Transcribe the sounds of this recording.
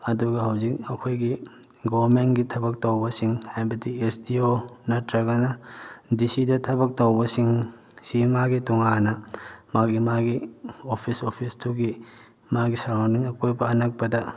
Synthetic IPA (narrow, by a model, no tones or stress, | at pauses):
ɐduɡɐhɐwzik̚ɐkʰojɡi | ɡobɐɾmenɡitʰɐbɐk̚towbɐsiŋhajbɐdiesdionɐtɾɐɡɐnɐdisidɐtʰɐbɐk̚towbɐsiŋ | simaɡituŋanɐmaɡimaɡiopʰisopʰistʰuɡi | maɡisɐɾandiŋɐkojbɐːnɐk̚pɐdɐ